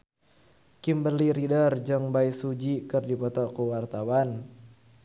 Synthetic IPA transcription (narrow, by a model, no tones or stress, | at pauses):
kimbəliɾidərd͡ʒəŋbaisud͡ʒikɨrdipɔt̪ɔkuwart̪awan